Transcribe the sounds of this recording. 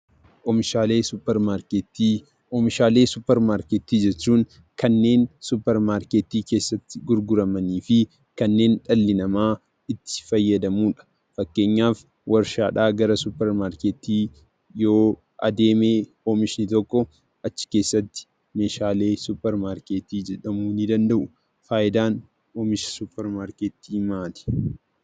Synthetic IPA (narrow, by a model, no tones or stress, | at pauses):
ʔɔmɪʃaːle̞ːsʊpːɛɾmaːɾket̪iː | ɔmɪʃaːle̞ːsʊpːɛɾmaːɾkeːt̪iːd͡ʒɛt͡ʃːuːŋ | kɐnːe̞ːnsʊpːɛɾmaːɾkeːt̪iːke̞ːsːɐt̪ːɪɡʊɾɡʊɾɐmɐniːfɪ | kɐnːe̞ːnᶑɐlːɪnɐmaː | ɪt̪ːɪ̥fɐjːɐd̪ɐmuːᶑɐ̥ | fɐkːe̞ːɲːaːf | wʔɐɾʃaːᶑaːɡɐɾɐsʊpːɛɾmaːɾkeːt̪iː | jo̞ː | ʔɐ̰d̪e̞ːmeː | oːmɪʃɪnɪt̪ɔkːɔ | ɐt͡ʃːɪ̥ke̞ːsːɐt̪ːɪ̥ | me̞ːʃaːle̞ːsʊpːɛɾmaːɾke̞ːt̪iːd͡ʒɛᶑɐmuːnɪd̪ɐnd̪ɐʔʊ | faːʔɪd̪aːn | oːmɪʃsʊpːɛɾmaːɾkeːt̪ːiːmaːt̪ɛ̥